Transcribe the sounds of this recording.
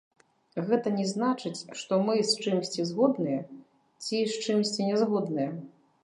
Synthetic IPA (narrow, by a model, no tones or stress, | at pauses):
ɣɛt̪ɐnʲɛznat͡ʂɨt͡sʲʂt̪ɔmɨst͡ʂɨmsʲt͡sʲizɣɔd̪nɨjɛ | t͡sʲist͡ʂɨmsʲt͡sʲinʲɛzɣɔd̪nɨjɛ